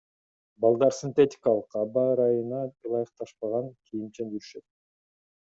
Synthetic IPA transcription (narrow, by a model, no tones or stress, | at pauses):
bɑlˠd̪ɑɾsʲint̪ʲetʲɪ̥kalˠəqɑbɑɾɑjɯnɑɯlˠɑjɯq̚t̪ɑʃpɑʁɑŋkʲʰijint͡ʃend͡ʒyɾyʃø̞t̪̚